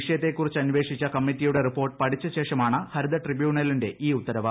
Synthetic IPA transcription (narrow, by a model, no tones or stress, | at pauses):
iʂɐjɐt̪ːe̞kːurit͡ɕːɨɐnʋe̞ːʂit͡ɕːɐkɐmːitːijuɽe̞ripːo̞ːrʈɨ̥pɐʈʰit͡ɕːɐɕe̞ːʂɐmaːɳɨhɐɾud̪ɐʈribjuːɳɐlinde̞ʔiːut̪ːɐɾɐʋɐ